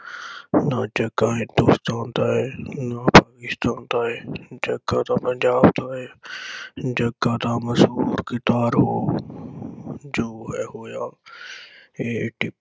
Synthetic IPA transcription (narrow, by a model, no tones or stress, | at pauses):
nad͡ʒɐɡãːɦɪ̃nd̪ust̪aːnt̪aːɦeːnapaːkɪst̪aːnt̪aːɦed͡ʒɐɡat̪ãːpənd͡ʒaːbt̪aːɦeː | d͡ʒɐɡːat̪ãːmɐsɦuːɾkɪt̪aːɾɦoː | d͡ʒoːɦɛɦoːjaː | eːʈɪ